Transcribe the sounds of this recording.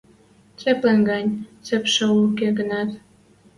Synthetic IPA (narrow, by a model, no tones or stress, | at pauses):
t͡seplenɡɑnʲt͡sepʃə̆ukeɡənɑt̪